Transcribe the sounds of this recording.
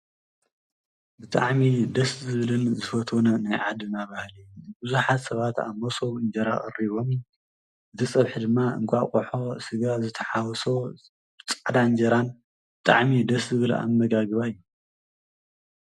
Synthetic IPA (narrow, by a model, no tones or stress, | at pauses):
bɨt̪ʼa̰ʕmid̪ɐszɨβɨlɨnzɨfɐt̪ʰonɐnajʕad̪ɨnaβahlibɨzuħat̪sɐβat̪a̰mːɐsoβɨnd͡ʒɐɾaχʼɐ̰riβo̞m | ʔɨt̪ʰɨsʼɐβħɨd̪ɨmːaɨ̰ŋkʷʼakʼoħo̞sɨɡazɨt̪ʰɐħawɔso | bɨt͡sʼaʕd̪and͡ʒɐɾan | bɨt̪ʼa̰ʕmid̪ɐszɨβɨla̰mːɐɡaɡɨβajːu